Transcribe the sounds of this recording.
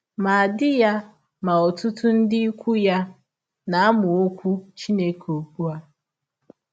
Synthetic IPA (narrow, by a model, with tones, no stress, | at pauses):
ma˨a˨dɪ˦ja˦ | ma˨ɔ˨tʊ˦tʊ˦n̩˦dɪ˦kʷu˦ja˦ | na˨˦a˦mʊ˨o˦kʷu˦t͡ʃi˦ne˦ko˨k͡pu˦a˦